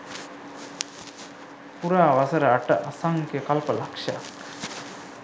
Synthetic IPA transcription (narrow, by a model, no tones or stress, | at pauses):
puɾaːʋɐsɐɾəɐʈəʔasaŋkekɐlpəlakʂa̰k